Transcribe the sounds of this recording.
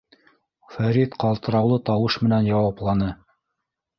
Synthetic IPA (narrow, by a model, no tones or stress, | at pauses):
fæɾit̪qɑlˠt̪ɤ̆ɾɑwlˠɤt̪ɑwɤʃmɘ̆nænjɑwɑplˠɑnɤ